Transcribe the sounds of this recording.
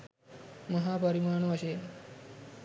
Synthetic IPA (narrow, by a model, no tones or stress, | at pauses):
məɦapəɾimaːɳ̃oəɕe